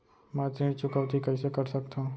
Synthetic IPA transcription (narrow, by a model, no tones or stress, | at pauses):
mat̪ɾĩːɽt͡ʃʊkəʋt̪ikəjsekəɾsəkt̪ã